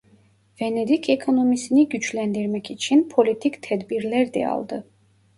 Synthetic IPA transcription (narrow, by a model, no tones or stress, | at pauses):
vɛnɛd̪ikʰɛkʰonɔmisiniɟyt͡ʃʰlɛnd̪iɾmɛcʰit͡ʃʰinpʰolit̪ʰikt̪ʰɛd̪biɾlɛɾd̪ɛ̰ɑ̰lˠd̪ɯ